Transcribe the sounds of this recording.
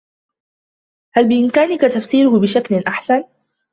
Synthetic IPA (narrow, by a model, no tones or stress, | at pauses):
halbɪʔɪmkaːnɪkat̪afsiːɾʊhbɪʃaklʔaħsan